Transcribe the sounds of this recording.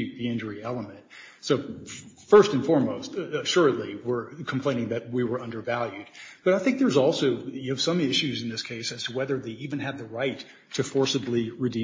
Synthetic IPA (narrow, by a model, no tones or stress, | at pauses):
ʉt̪̚ðiɪ̃nd͡ʒə˞iɛlˠəmɨ̃nt̚ | soʊfɜ˞stɨ̃nfɔɹmoʊstɨʃʊɹɨtˡliwɪɹkʰm̩pʰl̥ẽɪ̃ñɪ̃ŋðɨt̚wiwə˞ʌ̃ndə˞vælˠjʉd̚b̥ʌɾaɪθɪ̃ŋk̚ðə˞zɔlˠsoʊɨv̥sʌ̃mɪʃʉzɨ̃n̩ðɪskʰeɪsɨz̥tʰəwɛðə˞ðeɪivɨ̃nɨd̪̚ðɨɹaɪtʰ | ɨfɔɹsɨbliɹɨdĩ